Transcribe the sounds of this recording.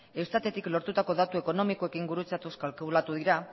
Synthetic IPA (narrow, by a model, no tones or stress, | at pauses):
e̞st̪at̪e̞t̪iklo̞ɾt̪ut̪ako̞ðat̪ue̞ko̞no̞mikoe̞kiŋɡuɾut͡sat̪uskalklat̪uðiɾa